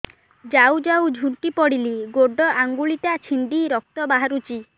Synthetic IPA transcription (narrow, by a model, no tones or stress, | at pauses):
d͡ʒawd͡ʒawd͡ʒʱuɳʈipɔɽiliɡoɖɔʔaŋɡuɭit̪at͡ʃʰind̪iɾɔk̚t̪ɔbaɦaɾut͡ʃi